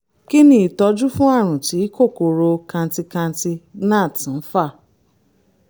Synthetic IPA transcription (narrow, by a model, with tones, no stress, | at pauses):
ki˦nĩ˦i˨tɔ˧d͡ʒu˦fũ˦a˦˨ɾ̃ũ˨ti˨˦ko˦˨ko˨ɾo˧kã˧n̩˦ti˧kã˧n̩˦ti˧nã˦˨tĩ˨˦fa˦˨